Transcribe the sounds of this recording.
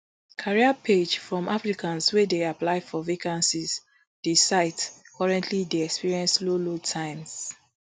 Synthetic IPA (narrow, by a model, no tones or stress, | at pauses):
kʰaɹiapʰed͡ʒfɹɔ̃mʔafɹikʰãnswedeaplaɪfɔvikãnsiz | d̥esaɪdkʰɔɹɛ̃ntʰlidɛɛkspiɹiɛ̃nslolotʰãɪ̃mz